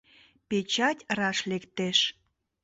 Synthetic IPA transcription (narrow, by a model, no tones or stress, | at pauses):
pet͡ɕɑtʲrɑʃlekt̪eʃ